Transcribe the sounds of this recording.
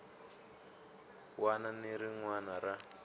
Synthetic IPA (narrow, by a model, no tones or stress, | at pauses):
wananeɾiŋwanaɾa